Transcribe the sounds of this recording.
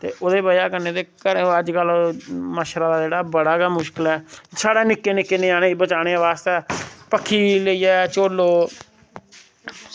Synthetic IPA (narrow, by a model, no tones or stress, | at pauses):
t̪ḛːʔoːd̪eːbəjaːkəɾneːd̪eːkəɾəd͡ʒkəlməʃɾaːd̪aːd͡ʒeːɽaːbəɽaːɡaːmʊʃkəlɛːsaːɽeːnɪkːeːnɪkːeːnẽːaːneːbət͡ʃaːɽ̃eːʋaːst̪eːpəkʰːiːləiːɛːt͡ʃoːloː